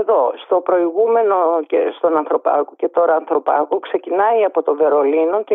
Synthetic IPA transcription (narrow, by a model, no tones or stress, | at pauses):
ðo̞st̪o̞pɾo̞iɣume̞no̞cest̪o̞nɐnθɾo̞pɐ̰koce̞t̪o̞ɾɐːnθɾo̞pɐkokse̞cinɐiɐpo̞t̪o̞ve̞ɾo̞lino̞ce